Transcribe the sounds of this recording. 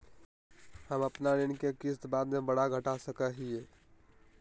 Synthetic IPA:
həməpnaninkekist̪bad̪mebəɽaɡʱəʈasəkəɦie

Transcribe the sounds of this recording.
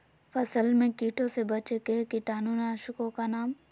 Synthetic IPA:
fɐsəlmẽkiːʈʰõsebɐt͡ʃekeɦkiʈaːnuːnaʃʊkõkanaːm

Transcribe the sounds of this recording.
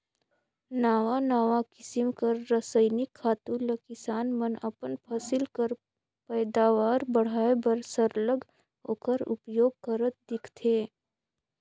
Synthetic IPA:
naːʋanaːʋakɪsɪmkəɾːəsəɪnɪkʰːaːt̪ũləkɪsaːnmənəpənpʰaːsɪlkəɾ | pɛːd̪aːʋaːɾbɐɽ̤aːebəɾsəɾləɡ | ɦo̰ːkəɾʊ̰pjoːɡ̚kəɾət̪̚d̪ɪkʰt̪ʰeː

